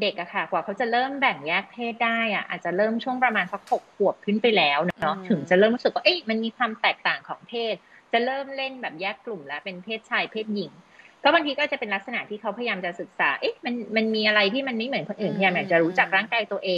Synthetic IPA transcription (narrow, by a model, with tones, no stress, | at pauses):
de˨˩k̚ʔa˨˩kʰa˥˩kwaː˨˩kʰa˦˥wt͡ɕa˨˩ɾɤː˥˩mbɛ˨˩ŋjɛː˥˩k̚pʰeː˥˩t̪̚daː˥˩jʔa˨˩ʔa̰ː˨˩t̪̚t͡ɕa˨˩ɾɤː˥˩mt͡ɕʰu˥˩əŋpɾa˧maː˧nsa˦˥k̚ho˨˩k̚ʰːu˨˩əp̚kʰɯ˥˩npa˧jlɛː˦˥wnɔ˦˥nɔ˦˥t̪ʰɯ˩˦ŋt͡ɕa˨˩ʔɾɤː˥˩mɾu˦˥sɯ˨k̚waː˥ʔe˦˥˩ma˧nmiː˧kʰwaː˧mt̪ɛː˨˩k̚t̪aː˨˩ŋkʰɔː˩˦ŋpʰeː˥˩t̪̚ | t͡ɕa˨˩ɾɤː˥˩mle˥˩nbɛː˨˩p̚jɛː˥˩kːlu˨˩mlɛ˦˥pe˧npʰeː˥˩t̪̚t͡ɕʰaː˧jpʰeː˥˩t̪̚ji˨˩˦ŋkɔː˥˩ba˧ŋt̪ʰiː˦kɔ˥aː˨˩t͡ɕa˨˩pe˧nla˦˥k̚sa˧na˨˩t̪ʰiː˥kʰa˦˥wpʰa˧jajaː˧mt͡ɕa˨˩sɯ˨˩k̚saː˩˦ʔe˦˥jma˧nma˧nmiː˧ʔa˧ɾa˧jt̪ʰiː˥˩ma˧nma˥˩jmɯ˩˦nkʰo˧nʔɯː˨˩mpʰa˧jaː˧mʔaː˨˩t͡ɕa˨˩ɾuː˦˥t͡ɕa˨˩k̚ɾaː˥˩ŋkaː˧jt̪u˧əʔeː˧ŋ